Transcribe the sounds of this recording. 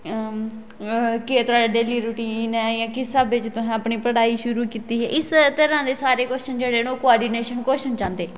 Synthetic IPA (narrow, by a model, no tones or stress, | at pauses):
ket̪ɾaːɖeɖeːliːɾʊʈiːnɛːjãːkɪsaːbɪt͡ʃt̪ʊsɛ̃ːəpɳiːpəɽaːiːʃʊɾuːkiːt̪iːɦɛ̰ːʔɪst̪əɾãːd̪eːsaːɾeːkoːʃənd͡ʒeːɽeːnoːkʊaːɾɖiːneːʃənkoːʃənt͡ʃãːnd̪eː